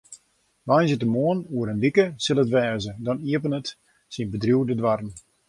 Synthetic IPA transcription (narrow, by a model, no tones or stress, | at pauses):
ʋajnzɪtəmoənuəɾəndikəsɪlˠətʋɛːzədɔniəpənət | sinbədrjuwdədʋarən